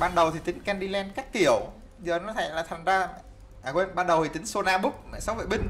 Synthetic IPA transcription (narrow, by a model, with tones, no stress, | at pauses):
ɓaː˧nɗə˨˩wt̪ʰi˨˩t̪ï˨˦ŋ̟kɛ˧nɗi˧lɛ˧nkaː˦˥k̚t̪i˧˩əw | zəː˨˩nɔ˨˦t̪ʰa̰˧˩˨laː˨˩t̪ʰa˨˩ŋ̟zaː˧ | ʔaː˨˩kwe˧ɓaː˧nɗə˨˩wt̪ʰi˨˩t̪ï˨˦ŋ̟so˧naː˧ɓʊ˦˥k̚mɛ̰˧˨jsa˨˦wvə̰˧˩ɓï˧ŋ̟